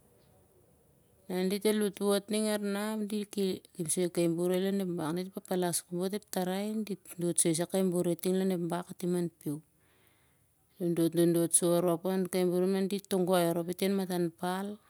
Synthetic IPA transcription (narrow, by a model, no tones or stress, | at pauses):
nanditelutβotniŋaɾnamdikikimsojkajmbuɾelanepmbaknditepapalaskumbot̬ep̚taɾajndindotsojs̬akajmbuɾetiŋlanepmbakatimanpiw | dondotndondotsoɾoapankajmbuɾemnanditoŋɡoaoɾopitenmatanpal